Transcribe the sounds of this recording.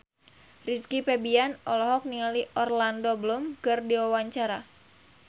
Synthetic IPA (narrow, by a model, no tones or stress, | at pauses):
riskipɛbianɔlɔɦɔk̚niŋaliʔɔrlandobəlumkɨrdiwawaɲt͡ʃaɾa